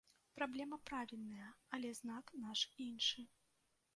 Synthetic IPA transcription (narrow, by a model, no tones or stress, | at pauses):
pɾablʲɛmɐpɾavʲilʲnɐjɐɐlʲɛzn̪aknaʂinʂɨ